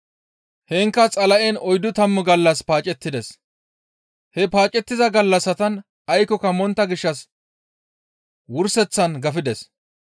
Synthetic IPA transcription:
hɛŋkːɐt͡sʼɐlɐʔɛnɔjd̪ʊt̪ɐmːʊɡɐlːɐspaːt͡ʃʼɛt̪ːɪd̪ɛs | hɛpaːt͡ʃʼɛt̪ːɪzɐɡɐlːɐsɐt̪ɐn | ɐjkɔkɐmɔnt̪ːɐɡɪʃːɐs | wʊɾsɛt͡sːɐnɡɐfɪd̪ɛs

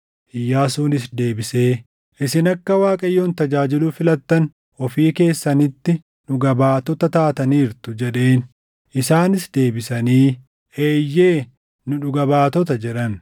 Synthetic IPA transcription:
ʔɪjːaːsuːnɪs̬d̪e̞ːbɪse̞ː | ʔɪsɪnɐkːɐwaːkʼɐjːoːnt̪ɐd͡ʒaːd͡ʒɪluːfɪlɐt̪ːɐn | ʔɔfiːke̞ːsːɐnɪt̪ːɪ | nʊɡɐbaːt̪ɔt̪ɐt̪aːt̪ɐniːɾt̪ʊd͡ʒɛɗe̞ːn | ʔɪsaːnɪsd̪e̞ːbɪsɐniː | ʔe̞ːjːe̞ː | nʊᶑʊɡɐβaːt̪ɔt̪ɐd͡ʒɛᶑɐn

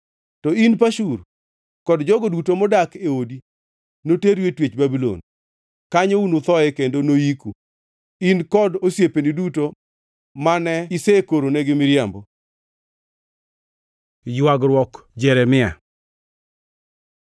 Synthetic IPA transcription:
tɔinp̬aʃur | kɔdd͡ʒɔɡodutomɔdakeodi | noteɾwetwet͡ʃbabilo̰n | kaɲounot̪ɔɛkendonoiku | inkɔdosjepeniduto | manɛisekoɾonɛɡɪmɪɾjambɔ | jwaɡɾwɔk | d͡ʒɛɾɛmɪa̰

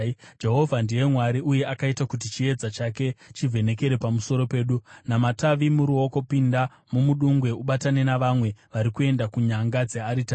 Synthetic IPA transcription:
d͡ʒe̞ɦo̞vʱandije̞mwaɾiuje̞ʔakaitakut̬it͡ʃie̞d͡zat͡ʃake̞t͡ʃivʱe̞ne̞ke̞ɾe̞pamuso̞ɾo̞pe̞ːɗunamataʋimuɾuo̞ko̞pinda | mumuɗuŋɡwe̞uɓatane̞naʋamwe̞ʋaɾikue̞ndakuɲaŋɡad͡ze̞aɾita

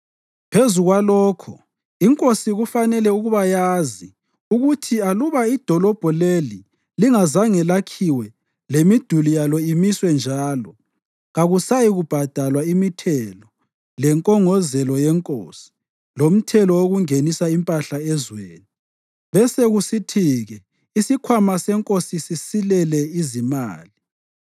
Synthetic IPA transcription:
pʰezuɣwalɔːkʰṵ | iŋkʼosiɣufanɛlɛuɣuβajazi | uɣutʰialuβaid̥ʱɔlɔb̥ʱɔleli | liŋazaŋɛlakʰiwɛ | lemid̥ʱulijalɔimiswɛnd͡ʒʱaːlɔ | ɣaɣusajiɣub̥ʱad̥ʱalwaimitʰɛlɔ | lɛŋkʼɔŋɔzɛlɔjɛŋkʼo̰si̥ | lom̩tʰɛlɔoɣuŋenisaimpʼaɬaɛzweːni | βɛseɣusitʰiɣɛ | isikʰwamasɛŋkʼosisisilɛlɛizima̰ːli

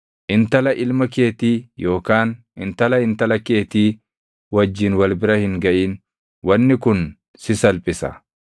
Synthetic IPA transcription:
ʔɪnt̪ɐlɐʔɪlmɐke̞ːt̪iːjo̞ːkaːn | ɪnt̪ɐlɐhɪnt̪ɐlɐke̞ːt̪iː | wɐd͡ʒːiːnwɐlbɪɾɐhɪŋɡɐʔiːn | wɐnːɪkʊn | sɪsɐlpʼɪsɐ̰

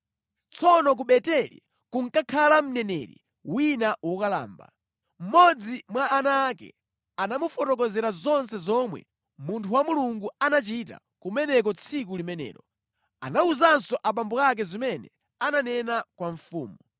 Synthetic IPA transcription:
t͡sʰɔnɔk̬uɓɛtɛlḭ | kuŋ̩kakʰalam̩nɛnɛɾḭ | winawɔkala̰ːmba̰ | m̩mɔd͡zimwaːnaːkɛ̰ | anamufɔtɔk̬ɔzɛɾazɔnsɛzɔmwɛ̰ | muntʰuwamuluŋɡuanat͡ʃita̰ | kumɛnɛk̬ɔt͡sʰik̬ulimɛnɛ̰ːɾɔ | a̰nauzansɔʔap̬ambɔak̬ɛzimɛnɛ̰ | ananɛnakwaɱfṵːmɔ

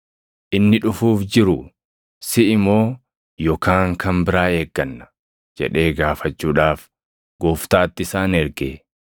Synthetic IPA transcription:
ʔɪnːɪᶑʊfuːfd͡ʒɪɾʊ | sɪʔɪmo̞ː | jɔkaːŋkɐmbɪɾaːeːɡːɐnːɐ̥ | d͡ʒɛ̰ᶑe̞ːɡaːfɐt͡ʃːuːᶑaːf | ɡ̥oːft̪aːt̪ːɪsaːnɛɾɡeː

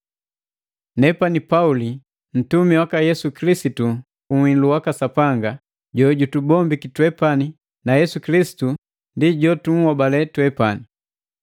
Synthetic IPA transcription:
nɛpanipauli | n̩tumiwakajɛsukilisitu | uwinluwakasapaŋɡa | ɟɔɟutubɔmbikitwɛpani | najɛsukilisi̥tu | ndiɟɔtum̩wabalɛtwɛpani

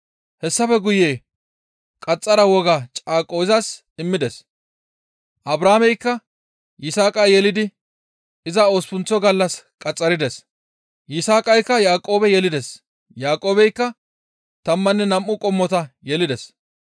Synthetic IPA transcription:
hɛsːɐfɛɡʊjeː | kʼɐt͡sʼːɐɾɐwɔɡat͡ʃʼaːkʼːoːzɐs | ɪmːɪd̪ɛs | ʔɐbɾaːmɛjkːɐ | jɪsaːkʼɐjjɛlɪd̪ɪ | ɪzɐoːspʊnt͡sːɔɡɐlːɐskʼɐt͡sʼːɐɾɪd̪ɛs | jɪsaːkʼɐjkːɐjaːkʼo̞ːbɛjɛlɪd̪ɛs | jaːkʼo̞ːbɛjkːɐ | t̪ɐmːɐnːɛnɐmʔʊkʼɔmːɔt̪ɐjɛlɪd̪ɛs

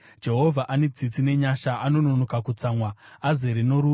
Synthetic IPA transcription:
d͡ʒe̞ɦo̞vʱaʔane̞d͡zit͡sine̞ɲaʃaʔano̞no̞nokakut͡saːmwaːzeɾino̞ɾu

